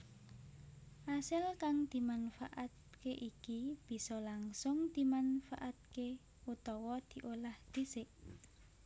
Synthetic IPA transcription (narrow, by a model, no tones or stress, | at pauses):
ʔasɪlkaŋd̪̥i̤manfaʔat̪̚ | keʔikib̥i̤sɔlaŋsʊŋd̪̥i̤manfa̰ʔat̪̚ke | ut̪ɔwɔd̪̥i̤ʔolahd̪̥i̤sɪʔ